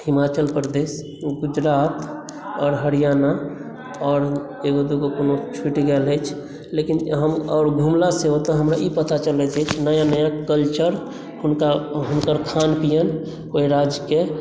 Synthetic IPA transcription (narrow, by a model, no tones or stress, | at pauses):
himat͡ʃəlpɾd̪es | ɡud͡ʒɾaːt̪ | ɔːɾɦəɾijana | ɔːɾ | eɡod̪oɡokonot͡ʃʰuʈɡɛlɦɛt͡ʃʰ | lekinɦəmɔːɾɡʱumlaseɦot̪aɦəmɾaʔipət̪at͡ʃəlɛt̪ʰɛt͡ʃʰnəjanəjakəlt͡ʃəɾ | ɦʊnkaɦʊnkəɾkʰanpijən | oɦiɾad͡ʒke